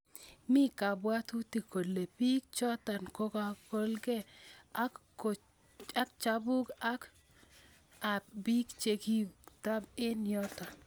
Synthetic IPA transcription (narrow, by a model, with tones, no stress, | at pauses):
mi˦ka˨bwa˦t̪u˦ti˨ko˨lːe˨pi˦k̚t͡ʃɔ˦t̪a˨nko˦ka˦ko˦lɡe˦ | a˦k̚t͡ʃa˦bu˦ɡa˦k | a˨bi˦kt͡ʃe˨ki˦ta˦be˦njɔ˦t̪a˨